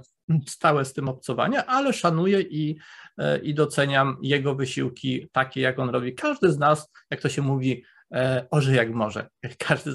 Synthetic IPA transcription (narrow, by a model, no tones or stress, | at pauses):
st̪awɛst̪ɘmɔpt̪sɔva̰ɲɛʔalɛʂanujɛʔi | ʔid̪ɔt̪sɛɲamjɛɡɔvɘɕiwkʲit̪akʲɛjakɔnɾɔbʲikʰaʐd̪ɘznas | jak̚t̪ɔɕɛmuvʲi | ɔʐɛjakmɔʐɛ̰kʰaʐd̪ɘ